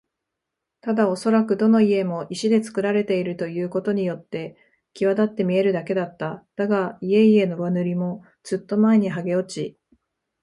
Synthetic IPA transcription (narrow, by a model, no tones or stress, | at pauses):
t̪ad̪aoso̞ɾakɯ̟d̪o̞no̞ie̞mo̞ʔiɕid̪e̞t͡sɨ̥kɯ̟ɾaɾe̞t̪e̞iɾɯ̟t̪o̞jɯ̟ːko̞t̪o̞ɲ̟ijo̞t̪ːe̞ | kʲiβad̪at̪ːe̞mʲie̞ɾɯ̟d̪ake̞d̪at̪ːad̪̥aɡaie̞ie̞no̞βanɯ̟ɾʲimo̞ | d͡z̥ɨt̪ːo̞mae̞ɲ̟iɦaɡe̞o̞t͡ɕi